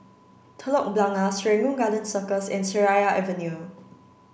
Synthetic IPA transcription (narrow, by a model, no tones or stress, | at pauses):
tʰəlɔk̚blãŋasɹɛ̃ŋũnɡalə̃nsəkəsɛ̃nsəɹajaɛvə̃nju